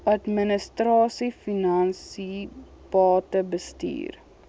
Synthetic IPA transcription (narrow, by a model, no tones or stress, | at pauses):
ɐtmənəstrɑːsifinɐnsi | pɑːtəbəstḭːr